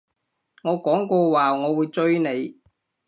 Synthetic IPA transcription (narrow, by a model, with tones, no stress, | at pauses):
ŋɔː˨˧kɔː˨˥ŋkɔː˧waː˨ŋɔː˨˧wuː˨˧jt͡sɵ˥ɥne˨˧j